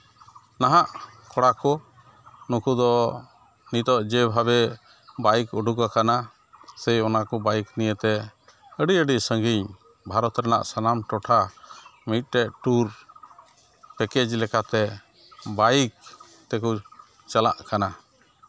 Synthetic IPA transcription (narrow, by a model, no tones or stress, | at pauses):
naɦaʔkʰɔɽakɔ | nukud̪ɔ | nit̪ɔʔd͡ʒɛbʱabɛ | bajkɔɖʱukakana | sɛjɔnakɔbajiknijət̪ɛ | əɖiəɖiʔsəŋɡiɲ | bʱaɾɔt̪ɾana̰ʔsanamʈɔʈʰamit̪̚ʈɛʔʈuɾ | pɛkɛd͡ʒlɛkat̪ɛ | bajk̚ | t̪ɛkɔ | t͡ʃəla̰ʔkana